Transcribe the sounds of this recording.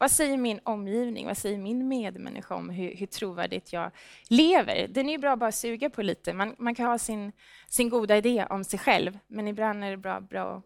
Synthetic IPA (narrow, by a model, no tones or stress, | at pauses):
vasɛjːəɾmɪnɔmːjiːvnɪ̰ŋvasɛjːəɾmɪnmeːd̪mɛ̰nːɪ̰ɧaɔ̰mɦɵɾhɵʈʰɾuːvæ̰ːɖɪ̰t̪ʰjɑːleːvə̰ɾd̪ɛnæɾjɵbɾɑːbɑːɾasʉ̟ːɡapʰɔliːt̪əmanmankʰanhɑːsɪn | sɪnɡuːd̪aɪd̪eːɔmsɛjɧɛ̰lvmɛnɪbland̪æɖɛbɾɑ̰ːbɾɑ̰ːɔ̰